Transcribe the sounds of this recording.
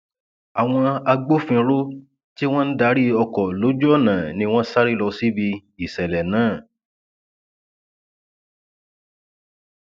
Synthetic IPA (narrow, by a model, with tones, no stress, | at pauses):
a˨w̃ɔ̃˧a˧ɡ͡bo˦fĩ˧ɾo˦ | ti˦w̃ɔ̃˦n̩˦da˦ɾi˦ɔ˧kɔ˨lo˨˦d͡ʒu˦ɔ˦˨nã˨nĩ˧w̃ɔ̃˦sa˦ɾi˦lɔ˧si˦bi˧i˨sɛ˨lɛ˨nãː˨˦˨